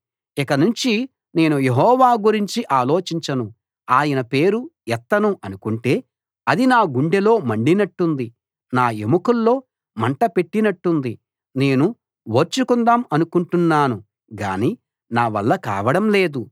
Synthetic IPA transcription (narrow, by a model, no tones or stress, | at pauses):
ikɐnuɲt͡ʃi | ne̞ːnuje̞ɦɔːʋaːɡuɾiɲt͡ʃiʔaːlo̞ːt͡ʃiɲt͡ʃɐnu | aːjɐnɐpe̞ːɾuɛt̪ːɐnuʔɐnukuɳʈe̞ː | ɐd̪inaːɡuɳɖelo̞ːmɐɳɖinɐʈːund̪i | naːemukulːo̞ː | mɐɳʈɐpe̞ʈːinɐʈːund̪i | ne̞ːnu | ʋoːɾt͡ʃukund̪aːmɐnukuɳʈunːaːnu | ɡa̰ːniː | naːʋɐ̰lːɐka̰ːʋɐɽɐmle̞ːd̪u